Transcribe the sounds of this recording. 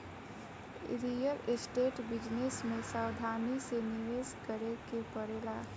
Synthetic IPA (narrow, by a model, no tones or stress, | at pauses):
ɾijəlesʈeːʈbɪd͡ʒnesmẽsaːwd̪ʱaːnisenɪʋeːskəɾekepəɽeːla